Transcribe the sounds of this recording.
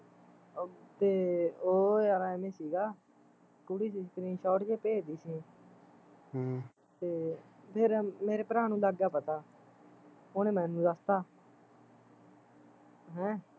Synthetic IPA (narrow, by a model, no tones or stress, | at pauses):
t̪eːoːaːɾaːemẽːsiːɡaː | kʊɽiːsiːsk̪əɾĩːʃɔːʈd͡ʒeːpeːd̪iːsĩː | t̪eːpʰɪɾmeːɾeːpəɾaːnũːlaɡaːpət̪aː | ʊnẽːmɛ̃ːnũːd̪əst̪aː | ɦɛ̃ː